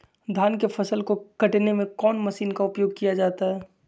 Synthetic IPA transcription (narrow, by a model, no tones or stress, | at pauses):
d̪ʱaːnkefɐsəlkokɐʈnemẽkɔːnmɐsiːnkaʊpjoːɡ̚kijad͡ʒaːt̪aɦɛː